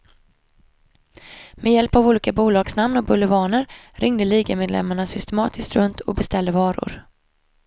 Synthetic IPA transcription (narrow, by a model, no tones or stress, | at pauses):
mejɛlpavuːliːkabuːlɑːɡ̥snamnɔk̚bɵlɛvɑːnəɾ | ɾʔɪŋd̪əliːɡəmeːd̪lɛ̰mːaɳasʏst̪ɛmɑːt̪ʰɪskt̪ɾɵnt̪ʰɔ̰k̚bɛst̪ɛld̪əvɑːɾʊ̰ɾ